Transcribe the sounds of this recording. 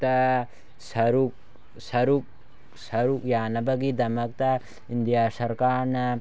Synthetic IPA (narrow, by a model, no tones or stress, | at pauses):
t̪ɐ | sɐɾuk̚ | sɐɾuk̚ | sɐɾukjaːnɐbɐɡid̪ɐmɐk̚t̪ɐ | ind̪ijaːsɐɾkaːɾna